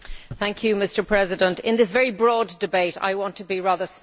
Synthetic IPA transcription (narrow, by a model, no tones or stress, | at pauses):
θæ̃ŋkʰjɨmɪstə˞pʰɹ̥ɛzɪdə̃ntɪ̰̃nðɪsvɛɹibɹɔdɨbeɪɾa̰ɪwɑ̃ntʰəbiɹaðə˞s